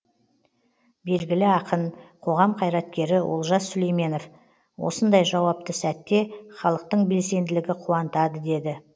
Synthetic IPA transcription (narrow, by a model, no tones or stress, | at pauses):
be̞lɡʲɪlɪɑqənqʰo̞ʁɑmqʰɑjɾɑt̪̚kʲe̞ɾɪʔo̰lˠʒɑsːʏle̞jme̞no̞f | wo̞̰sənd̪ɑjʒɑwɑp̚t̪əsæt̪ːe̞χɑlˠəq̚t̪əɴbe̞lse̞nd̪ɪlɪɡʲɪqʰuɑnət̪ɑd̪əd̪e̞d̪ɪ